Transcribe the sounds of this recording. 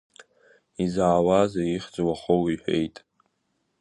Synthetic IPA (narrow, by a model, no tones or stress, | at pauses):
izaːwazaiχd͡zwaχowiħʷᶣejtʼ